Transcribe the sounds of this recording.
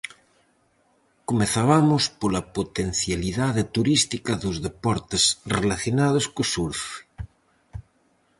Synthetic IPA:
komeθaβamʊspolapot̪en̟θjaliðaðet̪uɾist̪ikɐðozðepɔɾt̪esrelaθjonaðoskosuɾfe̥

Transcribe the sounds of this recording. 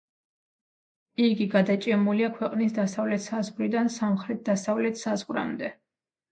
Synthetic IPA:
iɡiɡad̪at͡ʃʼɛmuliakʰwɛqʼnisd̪asavlɛt̪ʰsazʁɾid̪ansamχɾɛt̪̚ʰd̪asavlɛt̪ʰsazʁɾa̰md̪ɛ

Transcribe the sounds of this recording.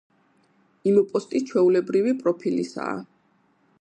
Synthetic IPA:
imupʼɔst̪ʼit͡ʃʰwɛulɛbɾivipʼɾɔpʰilḭsa̰ː

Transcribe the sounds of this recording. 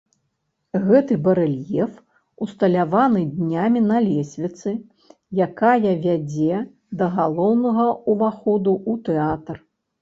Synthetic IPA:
ɣɛt̪ɨbɐɾɛlʲjɛf | ust̪ɐlʲavanɨd̪ʲnʲamʲinɐlʲɛsʲvʲit̪sɨ | jakajɐvʲad͡zʲɛ | d̪ɐɣalˠɔwnɐɣɐuvaxɔd̪uut̪ɛat̪r

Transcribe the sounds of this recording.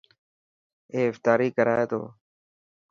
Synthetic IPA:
eːɪft̪aːɾiːkəɾa̰ːeːt̪o̰ː

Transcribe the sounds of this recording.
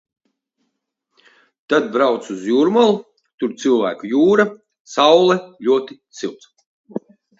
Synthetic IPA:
t̪ad̪̚bɾawt̪suzjuɾmalˠu | t̪uɾt̪silˠvæ̰ːkujuːɾa | sawlˠɛlʲuɔt̪it̪silˠt̪s

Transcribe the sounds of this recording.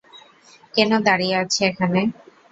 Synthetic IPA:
kɛnod̪aɽieat͡ɕʰeekʰane

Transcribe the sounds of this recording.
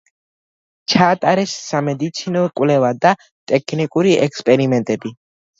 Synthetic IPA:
t͡ʃʰaːt̪ʼaɾɛsːamɛd̪it̪sʰinɔkʼwlɛvad̪a | t̪ʼɛkʰnikʼuɾiʔɛkspʼɛɾimɛnt̪ʼɛbi

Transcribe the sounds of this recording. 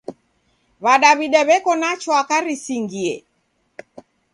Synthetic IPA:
βaɗaβiɗɛβɛkɔnat͡ʃɔakaɾisiŋɡiɛ

